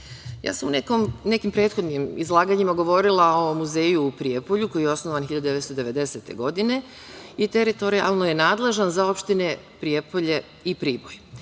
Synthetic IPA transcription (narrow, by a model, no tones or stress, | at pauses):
ja̰ːsamunekomne̞kimpɾeːt̪xo̞d̪nimizlˠaːɡaɲimaɡo̞ʋo̞ɾilˠao̞muze̞ːjuːpɾiepo̞ʎuko̞jijeo̞snoʋanxiʎad̪d̪eest̪od̪e̞ʋe̞d̪e̞se̞t̪e̞̰ɡo̞d̪ine̞ | it̪eɾit̪o̞ɾia̰lˠnoje̞naːd̪le̞ʒanzao̞pʃt̪ine̞ | pɾie̞po̞ʎe̞ | ipɾiːboj